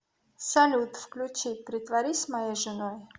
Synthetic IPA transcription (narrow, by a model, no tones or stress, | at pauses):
salʲut̪fklʲut͡ʃipɾʲɪt̪vaɾʲisʲmɐjejʐɨnoj